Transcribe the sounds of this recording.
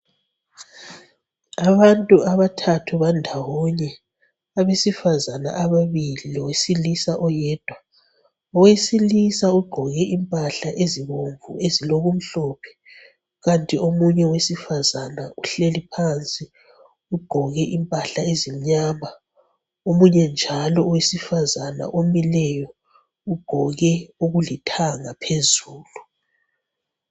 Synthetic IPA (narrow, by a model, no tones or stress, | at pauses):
aβantʼuʔaβatʰatʰuβandʱawɔɲɛ | aβesifazana̰ʔaβaβililɔwesilisaʔɔjɛːd̥ʱwa | ɔwesilisauɡ͡ǃʱɔɣɛʔimpʼaɬaʔeziβoɱvṵeziloɣum̩ɬɔːpʰɛ̥ | ɣantʼiomuɲɛwesifazanaʔuɬelipʰant͡sʼi | uɡ͡ǃ̥ʱɔɣɛʔimpʼaɬaezim̩ɲaːma | omuɲɛnd͡ʒʱalɔwesifazana̰ʔomilɛjɔ | uɡ͡ǃ̥ʱɔɣɛuɣulitʰaŋapʰezuːlu